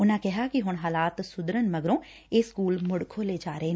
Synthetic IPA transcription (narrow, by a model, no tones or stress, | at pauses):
ʊnãːkɛɦaːkiɦʊɳ̃ɦaːlaːt̪sʊd̪ɾənmɐɡɾõː | eːskuːlmʊɽkʰoleːd͡ʒaːɾəɦeː